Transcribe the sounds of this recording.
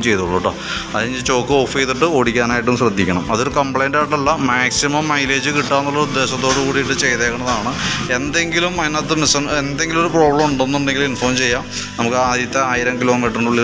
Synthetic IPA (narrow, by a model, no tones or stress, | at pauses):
mt͡ɕe̞jt̪uɭːoʈːo̰ | ɐðiniŋɡilt͡ɕo̞ːkːɨoːfejt̪iʈːɨo̞ːɽikʲːaːnaːjiʈːumɕrɐd̪ʱːikʲːɐɳɐmɐðo̞ɾukɐmpɭɐjnɖaːʈːɐlːɐmaːksimɐmːɐjle̞ːd͡ʑɨkiʈːaːnːɐlːɐud̪ːe̞ːɕɐt̪ːo̞ːɽɨkuːɽijiʈːɨt͡ɕe̞jt̪ekːɐɳɐðaːɳɨe̞nd̪e̞ŋɡilumɐinɐt̪ːɨmisɐne̞nd̪e̞ŋɡilumo̞ɾupro̞ːbɭɐmuɳɖenːuɳɖe̞ŋɡilinfoːmt͡ɕe̞jːaː | nɐmukːɨaːðit̪ːɐaːjiɾɐmkilo̞ːmiːʈːrɨnuɭːi